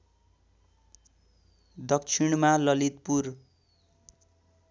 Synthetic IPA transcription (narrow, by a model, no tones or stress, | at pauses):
d̪ʌk̚t͡sʰiɳmalʌlit̪̚pur